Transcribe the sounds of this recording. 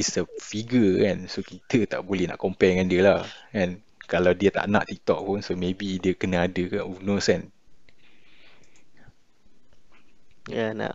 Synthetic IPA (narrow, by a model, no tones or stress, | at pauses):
isəfiɡəɛ̃nsokit̪ət̪a̰ʔbolɛhnã̰ʔkɔmpɛkandiəlahɛ̃n | kalawdiət̪a̰ʔna̰ʔt̪ik̚t̪ɔ̰ʔ̚punsomẽbidiəkənəadəkanunɔskan | jana̰ʔ